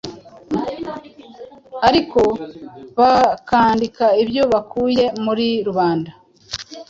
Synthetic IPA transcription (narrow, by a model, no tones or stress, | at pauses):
aɾiko̞βakaːndikaibjo̞βakʰuːje̞muɾiɾuβaːnda